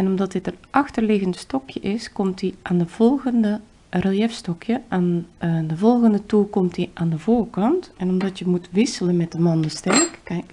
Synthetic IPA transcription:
ɛnɔmdɑtdɪtənʔɑxtərlɪɣəntstɔkjəʔɪskɔmtiʔaːndəv̥ɔlˠɣəndə | rəljɛfstɔkʰjəʔaːndəvɔlˠɣəndətukɔmtiʔaːndəvoːrkɑntɛnɔmdɑtjəmutʋɪsələnmɛt̚dəmɔndəstɛrkkːɛjk

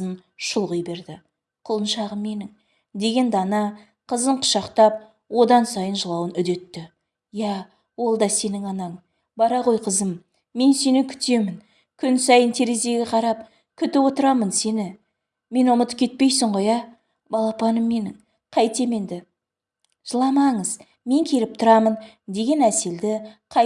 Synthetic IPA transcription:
ən | ʃʊlˠʁəjbe̞ɾd̪ɪ | qʰʊlˠənʃɑʁəmːe̞nɪŋ | d̪e̞ɡʲe̞nd̪ɑnɑ | qʰəzəɴqʰʊ̥ʃɑqt̪ɑp̚ | wo̞d̪ɑnsɑjənʒəlˠɑwənʏd̪e̞t̪ːɪ | jæ | wo̞lˠd̪ɑse̞nɪŋɑnɑɴ | bɑɾɑqo̞jqʰəzəm | me̞nse̞nɪkʲʰʏ̥t̪e̞mɪn | kʲʰʏnsɑjənt̪ʰe̞ɾeze̞ɡʲeqʰɑɾɑp̚ | kʲʰʏt̪ɪwo̞t̪əɾɑmənse̞nɪ | me̞nʊmət̪əp̚kʲʰe̞t̪̚pe̞jsɪɴʁo̞jɑ | bɑlˠɑpɑnəmːe̞nɪŋ | qʰɑjt̪e̞me̞nd̪ɪ | ʒ̥əlˠɑmɑɴəz | me̞ŋkʲʰe̞lɪp̚t̪ʰʊɾɑmən | d̪e̞ɡʲe̞næse̞ld̪ɪqʰɑ

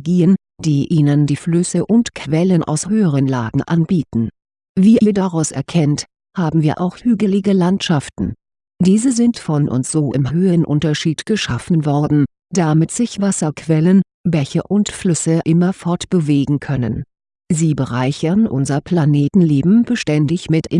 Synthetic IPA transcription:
ɡiːən | d̥iːʔiːnəndiːflʏsəʔʊntkʰv̥ɛlənʔa̰ʊshøːəʁ̞ənlaːɡŋ̩ʔanbiːtn̩ | viːʔiːɐdaʁaʊsʔɛ̰ɐkʰɛnt | haːbm̩viːɐʔaʊxhyːɡəlɪɡəlantʃaftn̩ | d̥iːzəzɪntfɔnʔʊ̰ntz̥oːʔɪ̰mɦøːənʔʊntɐʃiːtɡ̥əʃafn̩vɔɐdn̩ | d̥amɪtz̥ɪçv̥asɐkʰv̥ɛlən | bɛçə̰ʔʊntflʏsəʔɪmɐfɔɐtb̥əveːɡŋ̩kʰœnə̰n | ziːbəʁaɪçɐnʔʊ̰nzɐpʰl̥aneːtn̩leːbm̩b̥əʃtɛndɪçmɪtɪ

